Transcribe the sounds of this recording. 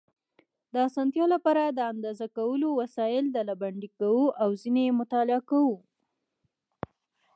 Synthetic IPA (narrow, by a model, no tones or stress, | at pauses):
d̪əasɑnt̪jɑlapɑɾad̪əand̪ɑzakawəlowasɑjɪld̪alabaɳɖikawuʔawzinemʊt̪ɑlɪɑkawu